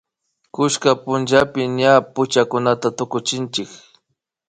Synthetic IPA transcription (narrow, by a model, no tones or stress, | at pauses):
kʊʃkapʊnt͡ʃapɪɲapʊt͡ʃakʊnat̪at̪ʊkʊt͡ʃɪnt͡ʃɪk